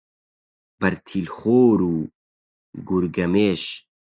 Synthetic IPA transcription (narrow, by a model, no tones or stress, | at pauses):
b̥ɐɾt̪ʰilxoːɾuː | ɡuɾɡɐmeːʃ